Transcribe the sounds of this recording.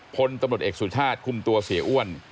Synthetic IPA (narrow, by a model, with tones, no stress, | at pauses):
pʰo˧nt̪a˧mɾt̪ʔeː˨˩k̚suː˨˩˦t͡ɕʰaː˥˩t̪̚kʰu˨˧˩mt̪u˧ɐsi˩˦ɐʔu˥˩ən